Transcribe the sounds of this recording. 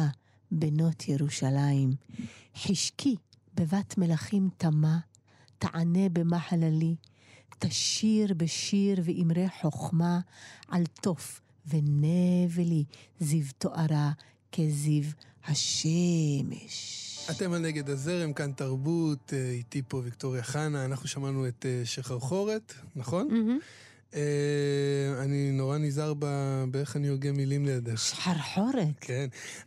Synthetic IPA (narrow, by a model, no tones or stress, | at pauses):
a | beno̞tʰjeʁuʃalaimħiʃkʰi | bevatmelaχimtama | ta̰ʕane̞bemaħalali | taʃiʁbeʃiʁveʔimʁeħo̞χmaʕalto̞f | venevelizivtoʔaʁa | kezivhaʃemḛʃate̞malneɡe̞d̪azeʁemkantaʁbut̪eit̪ipovikt̪o̞ʁjaχanaːnaχnuʃamanuet̪eʃeχaʁχo̞ʁet̪naχo̞n | e | aninoʁanizaʁbabeeχanioʁɡemilimlead̪eħaʁħoɾet̪kʰen